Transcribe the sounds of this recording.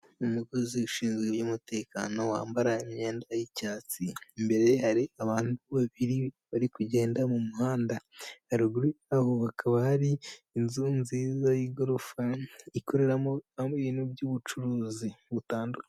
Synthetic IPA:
umuɡoziuʃiːnzɡejumute̞ːka̰no̞wa̰ːmbaɾaimɲe̞ːndajicaːt͡simbe̞ɾehaɾiaβaːnduβaβiɾiβaɾikuɟe̞ːndamumuhaːndahaɾuɡuɾuahoβakʰaβahaɾiːnzunziːzajiɡoɾofaikʰo̞ɾe̞ɾaoamoiβiːnubjuβut͡ʃuɾuːziβutaːndukaa

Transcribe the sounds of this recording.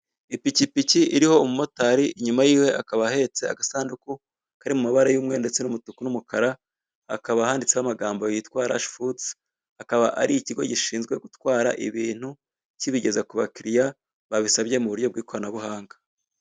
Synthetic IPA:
ipicipiciʔiɾiho̞mumo̞taɾiɲumajiːwe̞ʔakaβahe̞t͡se̞a̰ɡasaːnduku | kaɾimumaβaɾajuːmŋe̞nde̞t͡se̞numutukunumukaɾa̰ː | kaβahaːndit͡seβamaɡaːmbojitwaːɾa̰ʃfudt͡s | akaβaʔa̰ɾiiciɡo̞̰ɟiʃiːnzɡwe̞ɡutwaːɾa̰ʔḭβiːn̥hu | ciβiɟe̞zakuβakiɾija | βaβisaβje̞muβuɾjo̞b̚ɡwiːko̞ɾanaβuhaːŋɡa

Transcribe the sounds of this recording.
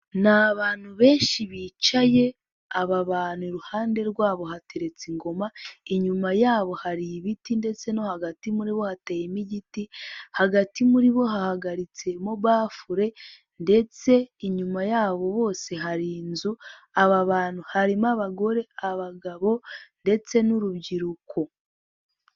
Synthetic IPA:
naβaːn̥huβe̞ːnʃiβit͡ʃaje̞ | aβaβaːnuɾuhaːnde̞ɾɡwaːβo̞ɦateɾe̞t͡siŋɡo̞maiɲumajaːβo̞haɾiβitinde̞t͡se̞no̞haɡatimuɾiβo̞hatajimiɟitihaɡatimuɾiβo̞ɦahaɡaɾit͡se̞moβaːfuɾe̞ | nde̞t͡se̞iɲumajaːβo̞βo̞ːse̞ɦaɾiːnzuaβaβaːnhuhaɾimaβaɡo̞ɾe̞aβaɡaβo̞nde̞t͡se̞nuɾubɟiɾukʰo

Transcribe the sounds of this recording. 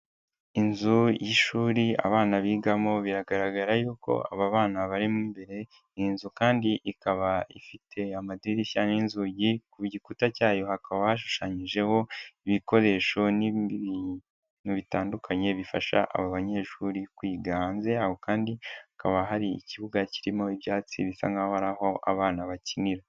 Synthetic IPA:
inzujiʃuːɾia̰βaːnaβiːɡamo̞βiɾaɡaɾaɡaɾajuːko̞̰a̰βaβaːnaβaɾimumbe̞ɾe̞ | inzukaːndiʔikaβaḭfitʰe̞amadɾiɾiʃaninzuɟikuβɟikutacaːjo̞hakaβaβaʃ̬u̥ʃaɲiʒe̞ho̞iβiko̞ɾe̞ʃo̞ni | nuβitaːndukʰaɲe̞βifaʃa̰ʔa̰βaβaɲe̞ʃuɾikwiːɡaːnze̞ahokaːndiakaβaɦaɾiḭciβuɡaciɾimo̞ibjaːt͡sḭβifa̰ŋɡahohaɾaho̞ʔa̰βaːnaβaciniɾa

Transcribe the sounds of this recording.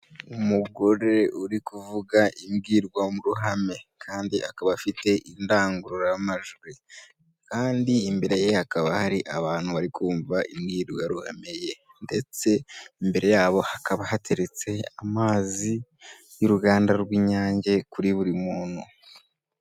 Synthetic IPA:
umuɡo̞ɾeuɾikuvuɡaʔimɡiːɾɡwamuɾuɦame̞kʰaːndiʔakaβafite̞ʔindaːŋɡuɾuɾajamaʒuɾe | kaːndiːmbe̞ɾe̞jehakaβahaɾiʔaβaːn̥huβaɾikʰuːɱvaimɡiːɾɡwaɾuha̰meje̞ | nde̞t͡se̞imbe̞ɾe̞jaːβo̞hakaβahatʰe̞ɾet͡se̞amaːzi | juɾuɡaːndaɾɡwiːɲaːɲɟe̞kuɾiβuɾimuːnu

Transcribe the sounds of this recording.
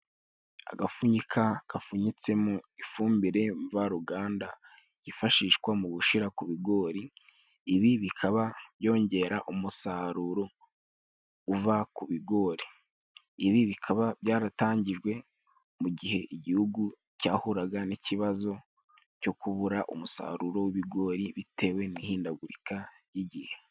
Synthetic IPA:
a̰ɡafuɲikʰaɡ̥afuɲit͡se̞muifuːmbiɾe̞ɱvaɾuɡaːnda | jifaʃiːʃkwamuɡuʃiɾakuβiɡo̞ːɾiː | βiβikʰaβaβjo̞ːɲɟe̞ɾaʔumusaːɾuɾo | uvakuβiɡo̞ːɾiː | βiβikʰaβaβjaːɾataːɲɟiʒwe̞ | muɟiɦe̞ʔiɟihuɡu | caːhuɾaɡaniciβazo̞ | co̞kuβuɾaʔṵmusa̰ːɾuɾo̞wiβiɡo̞ːɾiβitʰe̞ːwe̞nihiːndaɡuɾika | jiɟihe

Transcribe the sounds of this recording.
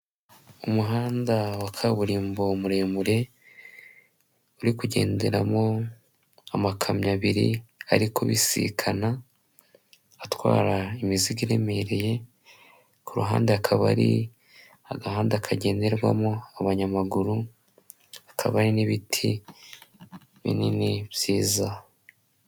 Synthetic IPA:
umuɦaːndawakʰaβuɾiːmbo̞muɾe̞ːmuɾe̞ | uɾikuɟe̞̰ːndeɾamo̞ | amakʰamɲaβiɾḭa̰ɾikʰo̞̰βisḭkʰana | twa̰ːɾaimiziɡiɾe̞me̞ɾe̞je̞ | kuɾṵɦaːndeakʰaβa̰ɾḭ | aɡahaːndeakʰaɟe̞ːnde̞ɾɡwa̰mo̞aβaɲamaɡuɾu | akʰa̰βaɾiniβitʰi | βḭniniβjiːza

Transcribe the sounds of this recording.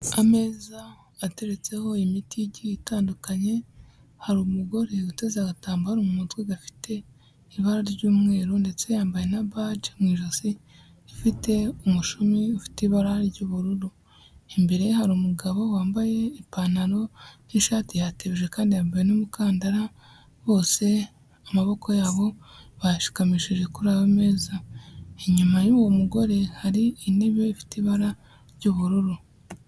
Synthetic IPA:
ame̞ːzaː | te̞ɾet͡se̞ho̞imitiɟiitaːndukaɲe̞ | haɾumuɡo̞ɾeɡute̞zaɡataːmbahaɾumumutweɡafi̥tʰe̞ | iβaɾaɾɟuːmŋe̞ːɾunde̞t͡se̞jaːmbaje̞naβad͡ʒemŋiːʒozi | ifite̞umuʃumiufi̥teiβaɾahaɾiɾɟuːβuɾuɾu | imbeɾehaɾumuɡaβo̞waːmbaje̞ipanaɾo̞niʃaːtijateβiʒe̞kaːndijaːmbajenumukaːndaɾa | βo̞ːse̞ | amaβo̞ko̞jaːβo̞βajaʃi̥kamiʃiʒe̞kuɾaweme̞ːzaeɲumajuːwo̞muɡo̞ɾe̞haɾiːniβjeifi̥tiβaɾa | ɾɟuːβuɾuɾu

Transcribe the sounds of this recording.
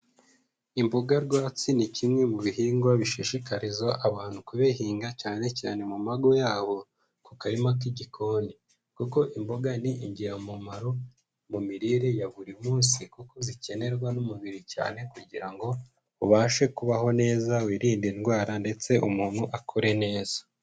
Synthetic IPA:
imboɡaɾɡwaːt͡sinicimŋe̞muβiɦiːŋɡwaβiʃiʃikaɾizaʔaβaːn̥hukuβehiːŋɡacaːne̞ca̰ːne̞mumaɡo̞jaːβo̞ | kukaɾimakiɟikʰo̞ːni | kuko̞ʔimboɡaniʔiɲɟiɾamumaɾo | mumiɾiːɾejaβuɾimuːnsikukozice̞ne̞ɾɡwanumuβiɾica̰ːne̞kuɟiɾaŋɡo̞ | uβaːʃe̞kuβaɦo̞ne̞ːzawiːɾiːndinɡwaːɾande̞t͡se̞ʔumuːn̥huʔakʰoɾe̞ne̞ːz̥ḁ

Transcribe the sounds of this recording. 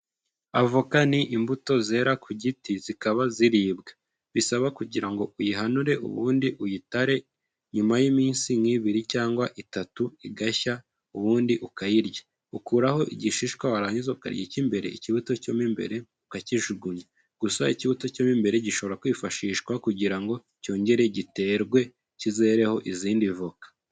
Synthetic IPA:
avokaniʔimbuto̞ze̞ːɾakʰuɟitizikaβaziɾiːbɡḁ | βisaβakuɟiɾaŋɡo̞ujiɦanuɾe̞ṵβṵːndiʔujitaɾe̞ | ɲumajimiːnsiŋiːβiɾicaːŋɡwaʔitatuiɡaça | uβuːndiʔukajiɾja | ukuːɾaho̞ʔḭɟiʃiʃkwawaɾaːɲizauka̰ɾjecimbe̞ɾe̞̰iciβuto̞comimbe̞̰ɾe̞ | ukaciʒuɡuɲa | ɡ̥usaiciβuto̞co̞mimbe̞ɾe̞ɟiʃo̞βo̞ɾakwiːfaʃiːʃkwakuɟiɾaŋɡo̞ | co̞ːɲɟe̞ɾe̞ɟite̞ːɾɡwe̞ | cize̞ːɾe̞ho̞ʔiziːndivukḁ

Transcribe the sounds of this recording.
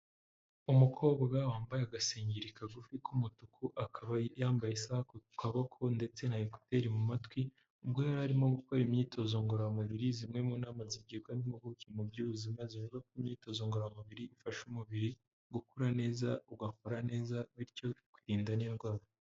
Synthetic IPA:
umukʰo̞ːbɡaɡawaːmbajeaɡaseːɲɟiɾikaɡufikʰumutukʰuʔakʰaβajaːmbajisahakoukʰaβakʰo̞nde̞t͡se̞nahiko̥te̞ɾimumatwi | ubɡojaɾhaɾimo̞ɡukoɾimɲiːto̞zoŋɡoɾamuβiɾizimŋe̞muːnaːmaziɟekwandimoɡucimubjuːβuzimazivuɡakimɲiːto̞ːzoːŋɡoɾamuβiɾiːfaʃumuβiɾi | ɡukuɾane̞ːzauɡakoɾane̞ːzaβiɾco̞kwiɾiːndaniɡwaːβa

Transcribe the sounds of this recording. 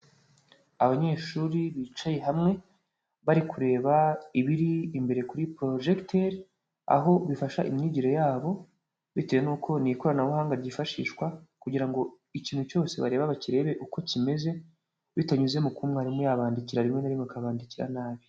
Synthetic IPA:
aβaɲe̞ːʃuɾiβit͡ʃaje̞ɦamŋe̞ | βaɾikuɾe̞ːβaiβiɾiːmbe̞ɾe̞kuɾipɾo̞ʒektʰeɾ | a̰ɦo̞βifaʃaʔḭmɲiɟiɾo̞jaːβo̞ | βitejenuːkʰo̞niko̞ɾanaβuhaːŋɡaɾɟiːfaʃḭːʃkwakuɟiɾaŋɡo̞ | iciːnhuco̞ːse̞βaɾe̞ːβaβaciɾe̞ːβe̞ʔuko̞cime̞ze̞ | βitaɲuze̞mukuːmŋehaɾimujaːβaːndiciɾaɾimŋe̞naɾimŋekaβaːndiciɾa̰naːβi

